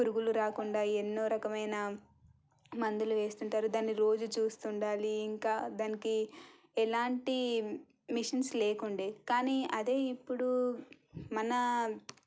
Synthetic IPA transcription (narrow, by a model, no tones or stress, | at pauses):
uɾuɡuluɾaːkuɳɖaːenːo̞ːɾɐkɐmɐjnɐ | mɐnd̪uluʋe̞ːst̪uɳʈaːɾud̪aːnːiɾo̞ːd͡ʒut͡ʃuːst̪uɳɖaːliːŋkaːd̪aːniki | ɛlaːɳʈi | miʂɐnsleːkuɳɖeːkaːniːɐd̪e̞ːipːuɽu | mɐnɐ